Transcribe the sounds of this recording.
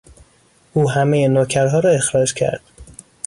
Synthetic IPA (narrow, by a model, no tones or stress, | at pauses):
ʔuːɦæmejenocʰæɾɦɒːɾɒːe̞xɾɒːd͡ʒcʰæ̰ɾd̪̥